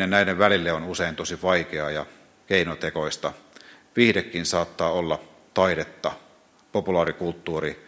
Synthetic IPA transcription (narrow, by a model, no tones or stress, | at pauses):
ennæˑideʋʋælilːeonuseint̪osiʋɑikeɑjɑ | keinot̪ekoist̪ɑ | ʋiːhdekːinsɑːt̪ːɑːolːɑ | t̪ɑiɾet̪ːɑ | populɑːɾikult̪ːuːri